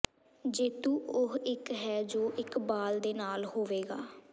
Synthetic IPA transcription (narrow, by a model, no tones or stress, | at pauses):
d͡ʒeːt̪ũːʊɦɪkɦɛːd͡ʒoːʔɪkbaːld̪eːnaːlhoːʋeːɡaː